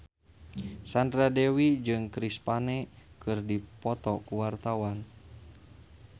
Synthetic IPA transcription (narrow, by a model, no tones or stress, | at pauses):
sandɾadɛwid͡ʒɨŋkɾispanɛkɨrdipɔt̪ɔkuwart̪awan